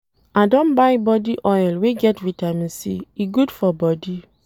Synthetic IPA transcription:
adõnbaɪbɔdiʔɔɛlweɡɛtɹitamĩnsḭiɡudfɔbɔdi

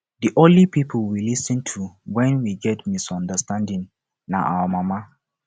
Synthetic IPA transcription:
diʔõnlipipʰəlwilisə̃ntʰuwɛ̃nwiɡɛtmisɔ̃ndəstãndĩŋ | na̰ʔawəmama

